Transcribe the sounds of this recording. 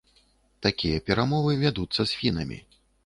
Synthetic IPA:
t̪akʲijɐpʲɛɾamɔvɨvʲad̪ut̪sːɐsʲfʲinɐ̰mʲḭ

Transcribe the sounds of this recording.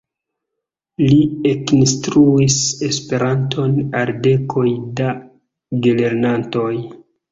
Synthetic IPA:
liekinstɾuise̞spe̞ɾantʰo̞nalde̞kʰo̞jda | ɡele̞ɾnanto̞j

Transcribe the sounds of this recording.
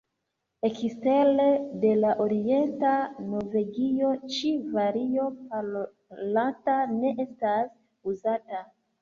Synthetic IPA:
e̞kistelede̞laʔoɾie̞ntano̞ɾve̞ɡio̞t͡ʃivaɾio̞pa | latane̞ʔe̞stas | uzata

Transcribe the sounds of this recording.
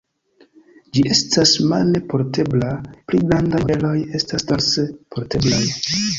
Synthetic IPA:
d͡ʒiʔe̞stasmalne̞po̞ɾte̞blapliɡɾandavelo̞je̞stastansepʰo̞ɾte̞blaj

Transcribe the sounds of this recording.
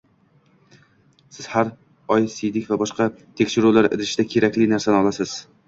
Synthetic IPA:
sɪz̥haɾ | ɒjsɪjd̪ɪkʲvabɒʃqʰɑt̪ʰe̞kʲʃɪɾulaɾɪ̰d̪ɪʃd̪akʲʰe̞ɾakʲlɪnaɾsanɪɒlˠasɪz̥

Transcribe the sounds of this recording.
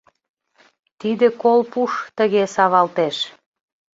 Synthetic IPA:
t̪id̪ekolpuʃt̪əɣesɑβɑlt̪eʃ

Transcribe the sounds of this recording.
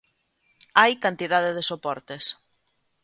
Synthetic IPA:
ajkant̪iðaðeðesopɔɾt̪es

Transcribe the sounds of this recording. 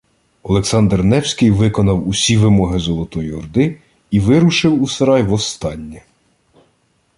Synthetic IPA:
ɔlˠeksɑnd̪rnɛwsʲkɪjʋɪkɔnɐwusʲiʋɪmɔɦɪzɔlˠɔt̪ɔjiɔrd̪ɪ | iʋɪɾuʃɪwuseɾɑjʋɔst̪ɑnʲːi

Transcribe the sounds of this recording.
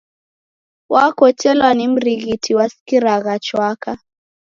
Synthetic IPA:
wʔakɔt͡ʃɛlwanim̩ɾiɣitʰiwaskiɾaɣat͡ʃwaka

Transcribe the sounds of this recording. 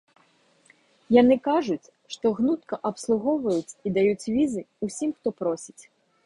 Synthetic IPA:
jan̪ɨkaʐut͡sʲ | ʂt̪ɔɣnut̪̚kɐʔɐpslˠuɣɔwvɐjut͡sʲid̪ajut͡sʲvʲizɨusʲimxt̪ɔpɾɔsʲit͡sʲ

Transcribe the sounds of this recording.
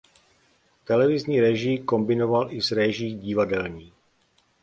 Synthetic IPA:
t̪ɛlɛvɪzɲiːɾɛʒiko̞mbɪno̞valʔɪzɾɛʒiːɟɪvadɛlɲiː

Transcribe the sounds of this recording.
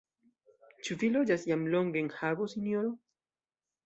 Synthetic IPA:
t͡ʃuvilod͡ʒasjamloŋɡeŋhaɡosinjoɾo

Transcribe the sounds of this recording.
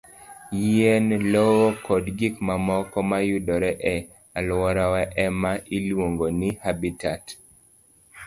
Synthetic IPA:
jɛnlɔwɔkɔdɡikmamɔkɔmajudɔɾɛʔɛ | alwɔɾawɛʔɛmailwoŋɡonɪhabitat

